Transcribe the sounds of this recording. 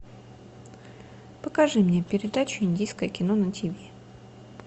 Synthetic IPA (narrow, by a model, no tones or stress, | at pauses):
pəkɐʐɨmnʲe̞pʲɪɾʲɪd̪at͡ɕʊɪnʲdʲejskəjəkʲɪno̞nətʲɪbʲe